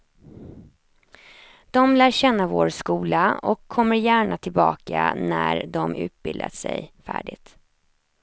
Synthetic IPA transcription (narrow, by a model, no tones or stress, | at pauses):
d̪̥ɔmlæːɕɛnːavoːɾskuːlaɔkʰːɔmːəɾjæːɳat̪ʰɪlbɑːkanæɾd̪ɔmʉ̟ːt̪̚bɪld̪asɛ̰jfæːɖɪt̪